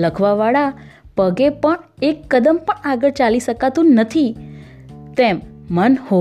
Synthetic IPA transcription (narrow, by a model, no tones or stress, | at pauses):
ləkʰʋaʋaɭapəɡepəɳ | ekːəd̪əmpəɳaɡəɾt͡ʃaliʃəkat̪ũnət̪ʰi | t̪emːənho